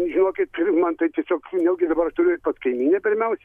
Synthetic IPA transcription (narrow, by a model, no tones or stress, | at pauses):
ʒʲɪnoːkʲɪt̪̚mɐnt̪ɐɪtʲiɛsʲoːknʲɛlˠɡʲɪd̪ɐbɐɾɐʃt̪ʊɾʲʊt̪pɐt̪skɐɪmʲiːnʲepʲɪɾʲmʲɛʊsʲɛ